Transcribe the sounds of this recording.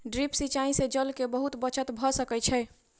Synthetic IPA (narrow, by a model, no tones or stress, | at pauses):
ɖɾipsit͡ʃaĩsed͡ʒəlkebəɦut̪bət͡ʃət̪bʱɔsəkɛt͡ʃʰɛ